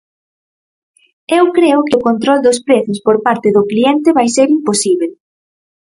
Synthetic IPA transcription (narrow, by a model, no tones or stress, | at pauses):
ewkɾeʊkɪʊkont̪ɾɔld̪ʊspɾeθʊspoɾpaɾt̪ɪðʊklient̪ɪβajseɾimposiβel